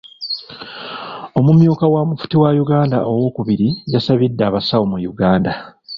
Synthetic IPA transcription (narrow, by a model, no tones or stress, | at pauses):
o̞mumjuːkawamufu̥tiwajuɡaːnda̰ʔo̞wo̞ːkuβiɾijasaβidːaːβasawomujuɡaːnda